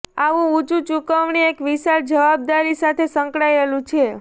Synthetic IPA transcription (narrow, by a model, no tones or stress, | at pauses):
aʋũut͡ʃut͡ʃukəʋɳiekʋiʃaɾd͡ʒəʋab̚d̪aɾisat̪ʰesə̃ŋkɽaelũt͡ʃʰe